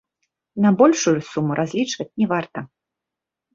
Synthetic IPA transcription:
nɐbɔlʲʂujusumuɾʔazʲlʲit͡ʂvɐt͡sʲnʲɛvart̪ɐ

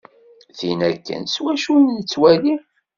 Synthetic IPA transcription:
θinækːə̰nswæʃunnt͡sːwæli

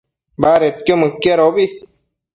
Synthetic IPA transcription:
baːɾet̪̚kjoməkːjaɾobi

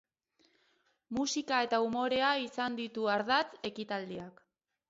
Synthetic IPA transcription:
musikae̞t̪aumo̞ɾe̞aisand̪it̪uaɾðat͡se̞kit̪ald̪iak

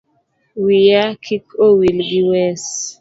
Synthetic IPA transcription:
wijakʰikʰowilɡiwɛs

